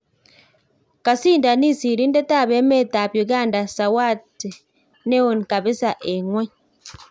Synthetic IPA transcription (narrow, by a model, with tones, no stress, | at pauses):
ka˨siː˦nda˨ni˦si˨ɾi˦nde˦ta˦˨βe˦me˦ta˨βjo˨ɡa˦˨nda˨sa˨wa˦˨ti˨ | ne˦o˨ni˨ka˨βi˦sa˨ʔe˨ŋwe˦ɲ